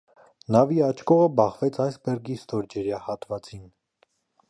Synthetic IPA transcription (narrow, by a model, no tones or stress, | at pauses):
nɑviɑt͡ʃʰkɔʁəbɑχvɛt͡sʰɑjsbɛrɡist̪ɔɾd͡ʒɛɾjɑhɑt̪vɑt͡sin